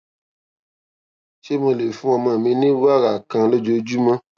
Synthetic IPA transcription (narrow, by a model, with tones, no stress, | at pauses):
t͡ʃe˦mə˨le˨fũ˦a˨ma˨mĩ˦ni˦wa˦ɣa˨kã˨ŋlɨ˦d͡ʒo˨d͡ʒu˦mə˦